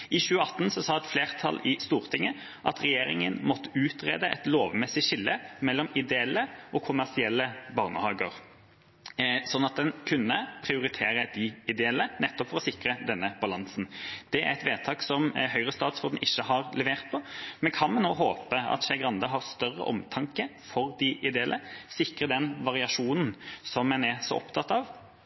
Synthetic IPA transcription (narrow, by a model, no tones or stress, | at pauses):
ɪɕʉːəɑt̪ːnsɔsɑːɛt̪fleːʁt̪ʰɑ̰lːɪst̪uːʁt̪ʰɪŋːə | ʔɑ̰t̪ʁɛjeːɾɪŋənmɔt̪ːə̥ʉːt̪ʁḛːd̪əʔɛ̰t̪loːʋmɛsɪɕɪlːəmɛlːɔmɪd̪ɛɛlːəʔɔkʰʊmæʁsɪɛlːəbɑːʁnə̰hɑːɡəʁ | sɔnɑt̪̚d̪ɛnkʰʉnːəpʰʁɪʊɾɪt̪ʰeːɾəd̪̥ɪɪd̪ɛɛlːənɛt̪ːɔpfɔɾɔsɪkɾəd̪ɛnːəb̥ɑlɑnsnd̪̥ɛæ̰ɾɛt̪ʋeːt̪ʰɑːksɔmɦœʏʁəst̪ɑːt̪sɔːd̪n̩ʔɪʃːəhɑɾlɛʋeːʁt̪̚pʰɔmɛnkʰɑnmɛnnoːɦoːpəɑ̰t̪ɕɛɡʁɑnd̪əɦɑʁst̪œrə̰ʔɔ̰mt̪ʰɑŋkəfɔɾd̪ɪʔɪd̪ɛɛlʔəsɪkɾəd̪ɛnʋɑʁɪɑʂuːnn̩sɔmːɛnɛsɔ̰ʔɔ̰pt̪ʰɑt̪ːɑːʋ